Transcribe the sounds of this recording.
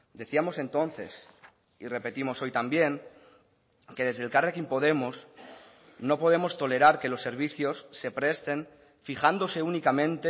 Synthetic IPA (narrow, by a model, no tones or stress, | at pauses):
d̪e̞θiamo̞se̞nt̪o̞n̟θe̞̰s | ire̞pe̞t̪imo̞so̞jt̪ambje̞ŋ | ke̞ð̞e̞zðelkarekimpo̞ð̞e̞mos | no̞po̞ð̞emo̞st̪o̞le̞ɾaɾke̞lo̞sːe̞ɾβ̞iθjo̞sːe̞pɾe̞st̪e̞n | fixand̪o̞se̞unikamẽnt̪e